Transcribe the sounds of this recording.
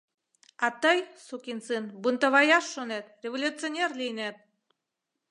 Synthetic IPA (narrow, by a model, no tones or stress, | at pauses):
ɑt̪əjsukʲint͡sinbunt̪əβɑjɑʃːonet̪rʲevolʲut͡sionʲerlʲinet̪̚